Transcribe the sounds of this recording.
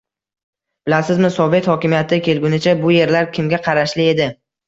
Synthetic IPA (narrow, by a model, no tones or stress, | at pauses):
b̥ɪlasɪzmɪsɒve̞t̪hɒkʲɪmijat̪ʰɪkʲe̞lɡʲʊnɪt͡ʃʰabʊje̞ɾlaɾkʲʰɪmɡʲaqʰɑɾaʃlɪe̞d̪ɪ